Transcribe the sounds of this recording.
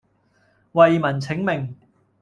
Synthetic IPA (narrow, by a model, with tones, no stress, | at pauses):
wɐ˨jmɐ˨˩nt͡sʰɪ˨˥ŋmɪ˨ŋ